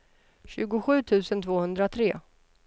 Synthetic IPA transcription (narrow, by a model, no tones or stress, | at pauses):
ɕʉ̟ːɡʊɧʉ̟ːt̪ʰʉ̟ːsənt̪ʰvoːhɵnd̪ɾat̪ʰɾeː